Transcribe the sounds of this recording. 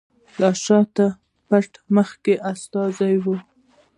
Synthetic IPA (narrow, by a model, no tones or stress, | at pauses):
lɑʃɑt̪a | paʈməxkeʔast̪ɑzajwu